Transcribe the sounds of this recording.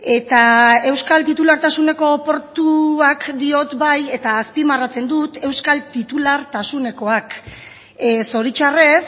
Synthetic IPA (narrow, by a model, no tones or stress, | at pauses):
e̞t̪ae̞wskalt̪it̪ulaɾt̪asune̞ko̞po̞ɾt̪uakd̪io̞t̪baje̞t̪aːspimarat͡se̞nd̪ut̪e̞wskalt̪it̪ulaɾt̪asune̞ko̞ak | so̞ɾit͡ʃare̞s